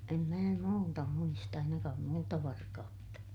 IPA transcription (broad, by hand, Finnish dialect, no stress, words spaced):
em mæː muːtɑ muist ɑinɑkɑːm muːtɑ ʋɑrkɑutːɑ